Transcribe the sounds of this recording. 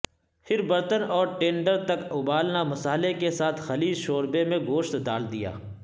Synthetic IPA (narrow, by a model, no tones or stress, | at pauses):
fʰɪɾbɐɾt̪ənɔːɾʈẽːɳɖəɾt̪ɐkʊbaːlnamɐsaːlekesaːt̪ʰxɐliːd͡ʒʃoːɾbemẽɡoːʃt̪d̪aːld̪ija̰ː